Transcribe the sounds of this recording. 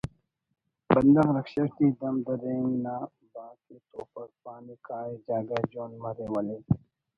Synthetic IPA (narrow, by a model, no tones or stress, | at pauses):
bɐnd̪ɐɦɾɐkʃɐɾt̪iːd̪ɐmd̪ɐɾeːŋnaː | baːket̪oːpɐɾpaːnikaːed͡ʒaːɡaːd͡ʒoːnmɐɾewɐleː